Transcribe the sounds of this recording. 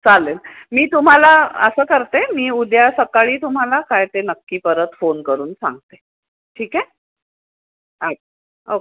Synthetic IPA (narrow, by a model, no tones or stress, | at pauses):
t͡salenmiːt̪um̤alaə̰səːkəɾt̪emiːud̪jasəkaɭiːt̪um̤alakajt̪enəkːiːpəɾət̪fonkəɾuːnsa̰ŋɡt̪e | ʈʰiːke | a | o